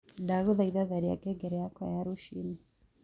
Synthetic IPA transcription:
daɣuðaiðaðaɾija̰kɛɡɛɾɛjakɔjaɾuʃini

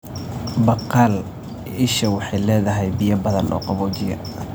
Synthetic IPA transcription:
bɐqɑl | ɪʃɐwɑħɑjlɛːðɐɦɛjbijɐbɐðɐnʔɔ̰ːqɑβɔːt͡ʃɪjɐ̰

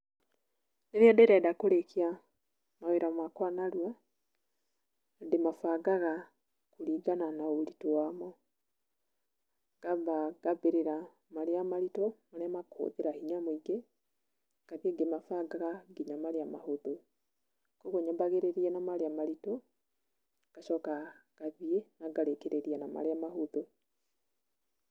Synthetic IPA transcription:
deɾeadɛɾɛdakoɾekʰea | maweɾamakwanaɾwa | demafaɡaɣa | kuɾiːɡananaoɾitowamɔ | ɡ̥abaɡabeɾeɾa | maɾeamaɾitɔmaɾeamakʰo̰ðeɾahiɲamoiɡe | kaɣeɡemafaɡaɣaɡiɲamaɾeama̰hoðo | koɣoɲabaɣeɾeɾianamaɾeamaɾitɔ | ɡ̥aʃɔkaɣ̥aβienaɡaɾekeɾʔeɾianama̰ɾeamahoðo

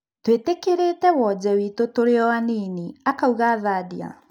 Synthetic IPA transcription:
twetekeɾetɛwɔd͡ʑɛwitotoɾeɔwaniːniakauɣaːðadia̰

